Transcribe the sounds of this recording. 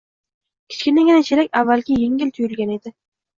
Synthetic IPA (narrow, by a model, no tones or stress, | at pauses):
kʲʰɪ̥t͡ʃkʲɪnaɡʲɪnat͡ʃʰeɾakʲavːalɡʲɪjeŋʲɪlt̪ʰʊjɪlɡʲane̞d̪ɪ